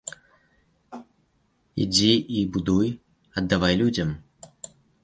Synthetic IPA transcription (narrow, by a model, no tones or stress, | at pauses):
ḭd͡zʲiibud̪uj | ɐd̪ːavajlʲud͡zʲɐm